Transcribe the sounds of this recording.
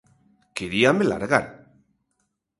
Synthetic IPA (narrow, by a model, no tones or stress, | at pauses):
kiɾiamela̰ɾɣan